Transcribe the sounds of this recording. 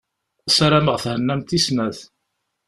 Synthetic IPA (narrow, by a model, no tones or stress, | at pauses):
æsaɾaməʁθhənːæmt̪ismæθ